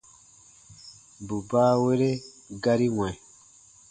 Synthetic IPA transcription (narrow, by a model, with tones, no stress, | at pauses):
bu˨baː˦we˦ɾe˦ | ɡa˦ɾi˦wɛ̃˨